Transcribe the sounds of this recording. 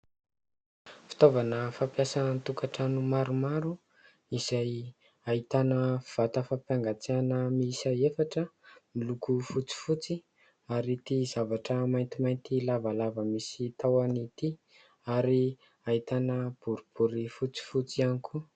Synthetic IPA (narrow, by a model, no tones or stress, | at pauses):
fi̥t̪ovanəfapjasanənt̪ukaʈ͡ʂanumaɾumaɾu | iz̥aj | aɦit̪anəv̥at̪əfapjaŋɡat͡seanəmisaefaʈ͡ʂəmilukufut͡si̥fut͡si | aɾit̪izavaʈ͡ʂəmajnt̪imajnt̪ilavalavəmisit̪awanit̪i | aɾi | ait̪anəb̥uɾub̥uɾifut͡si̥fut͡sianikʰu